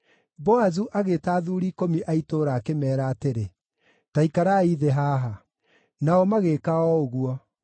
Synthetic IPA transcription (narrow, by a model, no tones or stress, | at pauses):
bɔazuʔaɣetaːðuːɾiːkomiʔaitoːɾaːkemɛːɾaːteɾe | taikaɾaiðeɦaːɦa | naɔmaɣekaɔoɣuɔ